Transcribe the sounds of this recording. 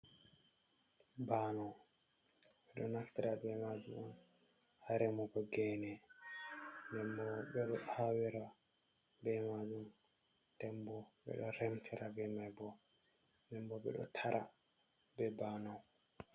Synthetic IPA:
banɔw | ɓɛɗɔnaftiɾabɛmad͡ʒuman | haɾɛmɔkɔɡɛnɛ | ndɛmbɔbɛɗɔʔawiɾa | bɛmad͡ʒum | dɛmbɔɓɛ̰ɗɔɾɛmtʰiɾabɛmajbɔ | ndɛmbɔɓɛ̰ɗɔ̰tʰaɾʔa̰ | bɛbanɔw

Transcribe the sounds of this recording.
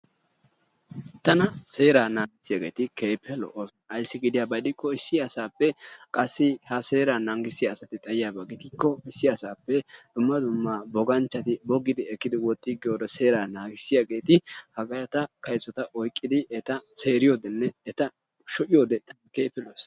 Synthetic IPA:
t̪ɐnɐse̞ːɾaːnaːɡɪsːɪjaːɡe̞ːt̪ɪke̞ːpʰːɛlɔ̰ʔo | ɐjsːɪɡɪd̪ɪjaːbɐd̪ɪkːɔɪsːɪɐsaːpːɛkʼɐsːɪhɐse̞ːɾanɐŋɡɪsɪjaːsɐt̪ɪt̪ʼɐjɪjaːbɐɡɪt̪ɪkːɔɪsːɪɐsaːpːɛd̪̥ʊmːɐd̪ʊmːabɔɡɐnt͡ʃːɐt̪ɪbɔɡːɪd̪ɪɛkːɪd̪ɪwɔt̪ʼːɪɡɪjoːd̪ɐse̞ːɾaːnaːɡɪsːɪjaɡe̞ːt̪ɪhɐɡɐjɐt̪ɐkɐjt͡sːɔt̪ɐʔɔjkʼːɪd̪ɪɛt̪ɐseːɾɪjo̞ːd̪ɛnːɛːt̪ɐ | ʃɔʔɪjo̞ːd̪ɛt̪ɐkeːpːɛlos

